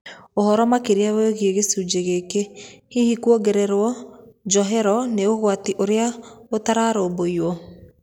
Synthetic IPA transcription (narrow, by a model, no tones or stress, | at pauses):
ohɔɾɔmakeɾeaβeɣeɣesud͡ʒeɣeːkehihikuoɡeɾɛɾwɔd͡ʒɔɦɛɾɔneoɣwatiʔoɾeaotaɾaɾoːboiwɔ